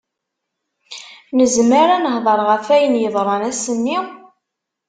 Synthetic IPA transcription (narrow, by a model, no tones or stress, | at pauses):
nəzməɾanəhðˤəɾˤʁəfæjənjəðˤɾˤɑnæsənːi